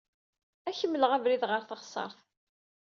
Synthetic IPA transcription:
æçəmːəlʁævɾiðʁəɾθəχsˤɑ̰ɾˤθ

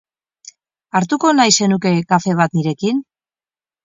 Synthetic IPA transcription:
aɾt̪uko̞najse̞nuke̞kafe̞β̞at̪niɾe̞kin

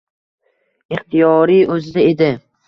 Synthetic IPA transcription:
ɪχt̪ʰijɒɾijɵzɪd̪ae̞d̪ɪ

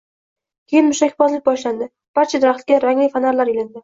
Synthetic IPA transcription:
kʲʰejɪnmʊʃakʲbɒzlɪk̚ʲbɒʃland̪ɪ | b̥aɾt͡ʃʰad̪ɾaχt̪ɡʲaɾaŋlijfanaɾlaɾelɪnd̪ɪ

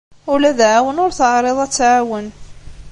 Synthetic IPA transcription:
ʊlæðʕawənʊɾθəʁɾˤeðˤæt͡sːʕawən

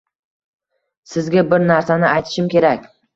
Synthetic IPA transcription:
sɪzɡʲabɪɾnaɾsanɪajt̪ʰɪ̥ʃɪmkʲe̞ɾakʲ

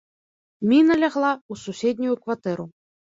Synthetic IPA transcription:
mʲinɐlʲaɣlˠaususʲɛd̪ʲnʲujukvat̪ɛɾu

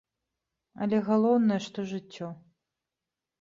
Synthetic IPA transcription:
ɐ̰lʲɛɣɐlˠownɐjɛʂt̪ɔʐɨt͡sʲːɔ

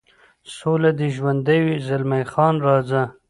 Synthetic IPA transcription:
solad̪əʒwand̪awizalmajxɑːnɾɑːza

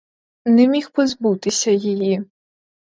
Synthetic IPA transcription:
nɛmʲixpɔzbut̪ɪsʲɐjiji

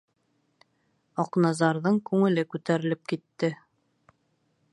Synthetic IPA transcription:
ɒqnɑzɑɾðɤɴkʉŋɘ̆lɘkʉt̪æɾɘ̆lɘp̚kit̪ːɘ

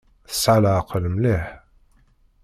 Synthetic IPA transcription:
θə̥sʕalaqələmliħ

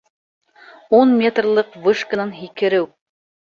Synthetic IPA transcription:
unmʲet̪rlˠɤqvɨʃkənɤnɦikɘ̆ɾɘw

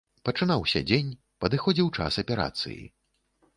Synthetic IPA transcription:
pɐt͡ʂɨnawsʲɐd͡zʲenʲ | pɐd̪ɨxɔd͡zʲiwt͡ʂa̰sɐpʲɛɾa̰t̪sɨ̰jḭ

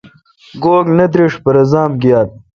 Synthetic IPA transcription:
ɡoːɡnɐd̪̬ɾiʂpɐɾɐzãːmɡijaːt̪̚

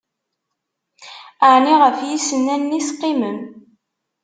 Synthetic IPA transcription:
əʕniʁəfjisənːænːisqːiməm

